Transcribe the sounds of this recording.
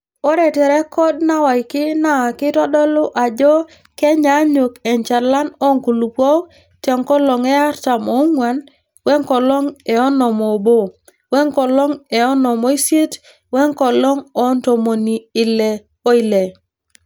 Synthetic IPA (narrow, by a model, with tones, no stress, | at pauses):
o˦ɾɛ˨tɛ˨ɾɛ˦kɔ˦d̚na˦wa˨i˨kɪ˦na˦˨kɪ˦tɔ˦dɔ˦lʊ˦ʔa˨d͡ʒɔ˦ | kɛ˦ɲa˨˦ɲo˨kɛ˨ɲt͡ʃa˨la˦nɔ˦ŋku˨lu˨pɔ˦ | tɛ˨ŋkɔ˦lɔ˨ŋɛ˦a˦ɾta˨mɔ˦ŋwa˨n | wɛ˦ŋkɔ˨lɔ˦ŋɛ˨ɔ˦nɔ˨mɔ˨bo˦˨ | wɛ˦ŋkɔ˨lɔ˦ŋɛ˨ɔ˦nɔ˨mo˨˦i˦sje˦t | wɛ˦ŋkɔ˨lɔ˦ŋɔ˦nto˨mo˨ni˨ɪ˨lɛ˨ | o˦i˨le˨